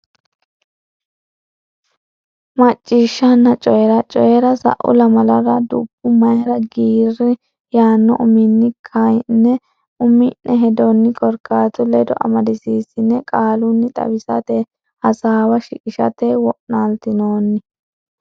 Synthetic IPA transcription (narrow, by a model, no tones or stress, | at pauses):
mɐt͡ʃʼːiːʃːɐnːɐt͡ʃʼɔjɛɾɐt͡ʃʼɔjɛɾɐsɐ̰ʔʊ̰lɐmɐlɐɾɐd̪ʊ̰bːʊmɐjɛɾɐɡiːrɪ | jaːnːɔ̰ʔʊmɪnːɪkʰɐjnːɛ | ʔʊmɪnʔɛɦɛd̪ɔnːɪkʼɔɾkːaːt̪ʊlɛd̪ɔʔɐ̰mɐd̪ɪsiːsɪnːɛkʼaːlʊnːɪt̪ʼɐ̰bɪsɐ̰t̪ɛ | hɐsaːwɐʃɪkʼɪʃɐ̰t̪ewɔʔnalt̪ɪno̞ːnːɪ